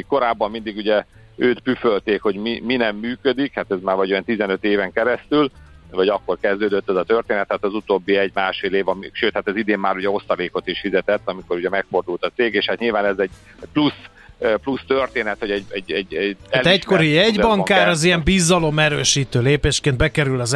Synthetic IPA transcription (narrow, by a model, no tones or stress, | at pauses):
iko̞ɾaːbːɒmmind̪iɡuɟɛ | øːt̪pyfølt̪eːkho̞ɟmiminɛmːyːkød̪ikhat̪ɛzmaːɾvɒɟojɛnt̪izɛnøt̪eːvɛŋkɛɾɛst̪ylvɒɟɒkːo̞rkɛzd̪øːd̪øt̪ːɛzɒt̪ørt̪eːnɛt̪haːt̪ɒzut̪oːbːiɛɟmaːʃfeːleːvɒmiʃøːt̪hat̪ɛzid̪eːmːaːɾuɟɛo̞st̪ɒleːko̞t̪iʃfizɛt̪ɛt̪ːɒmiko̞ɾuɟɛmɛkfo̞rd̪ult̪ɒt̪seːɡeːʃhat̪ɲilvaːnɛzɛɟ | ɛplus | plust̪ørt̪eːnɛt̪ho̞ɟɛɟɛɟːɛɟːɛɛlt̪ɛcko̞ɾijɛɟbɒŋkaːɾɒzijɛmbiːzɒlo̞mɛɾøːʃiːt̪øːleːpeːʃkeːnbɛkɛɾylɒz